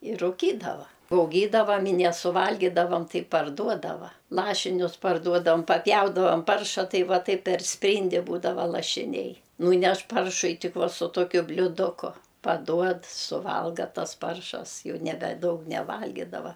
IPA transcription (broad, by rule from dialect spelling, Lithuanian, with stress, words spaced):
ɪr rʊˈkʲiːdɐʋɐ ɐʊˈɡʲiːdɐʋɐm ɪ nʲɛsʊˈʋɐlʲɡʲiːdɐʋɐm ˈtɐɪ pɐrˈduɔdɐʋɐ ˈlˠɑːʃʲɪnʲʊs pɐrˈduɔdɐʋɐm pɐˈpʲjɛʊdɐʋɐm ˈpɐrʃɐ ˈtɐɪ ˈʋɐ ˈtɐɪp pʲɛr ˈsʲpʲrʲiːnʲdʲɪ ˈbuːdɐʋɐ lˠɐʃʲɪˈnʲɛɪ ˈnuːnʲɛʃ ˈpɐrʃʊɪ ˈtʲɪk ˈʋɐ sʊ ˈtoːkʲʊ bʲlʲuːˈdʊkʊ pɐˈduɔt sʊˈʋɐlˠɡɐ ˈtɐs ˈpɐrʃɐs ˈjɛʊ ˈnʲæːbʲɛ ˈdɐʊk nʲɛˈʋɐlʲɡʲɪdɐʋɐ